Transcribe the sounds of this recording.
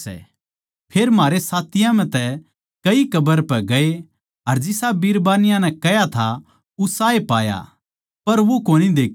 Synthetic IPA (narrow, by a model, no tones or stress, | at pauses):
ɛ̰ | pʰeːɾmɦaːɾesaːt̪ɪjãmɛ̃t̪ɛ | kɐikɐbəɾpɛɡɐe | ɐɾd͡ʒɪsabiɾbaːnɪjãnɛ̃kɛjat̪ʰa | ʊsaːepaːja̰ | pɐɾʋokoːnid̪eːkʰ